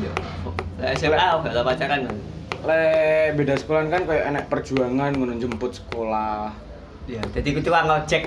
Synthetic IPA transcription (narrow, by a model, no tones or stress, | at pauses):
lɛseaofɛlamat͡ʃakananlɛbedasə̥kolankankajaʔenɛk̚pərd͡ʒuaŋanŋunʊŋd͡ʒəmpʊt̪̚sə̥kolah | jad͡ʒadikut̪uaŋat͡ʃɛk̚